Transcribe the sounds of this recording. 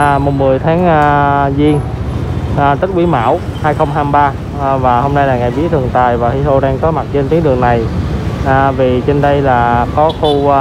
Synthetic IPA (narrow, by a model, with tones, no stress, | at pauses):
mo˨˩mmɨ˨˩əjt̪ʰaː˨˦ŋː˧zi˧ən | ʔt̪i˦˥k̟̚ʔwi˨˦ma̰ː˧˥w | haː˧jxə˧wŋ͡mɦaː˧mɓaː˧ | vaː˨˩ho˧mna˧jlaː˨˩ŋaː˨˩jɓi˨˦ət̪ʰɨ˨˩əŋt̪aː˨˩jvaː˨˩hi˧t̪o˧ɗaː˧ŋk̪ɔ˨˦ma˨˩t̚t͡ɕe˧nt̪i˨˦əŋɗɨ˨˩əŋna˨˩jʔvi˨˩t͡ɕe˧nɗə˧jlaː˨˩kɔ˨˦xu˧